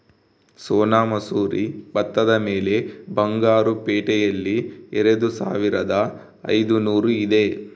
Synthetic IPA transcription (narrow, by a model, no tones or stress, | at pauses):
soːnaːmɐsuːɾibɐt̪ːɐd̪ɐme̞ːle̞bɐŋɡaːɾupeːʈɛjɐlːiɛɾed̪usa̰ːʋiɾɐd̪ɐ | ɐ̰jd̪unuːɾuid̪e̞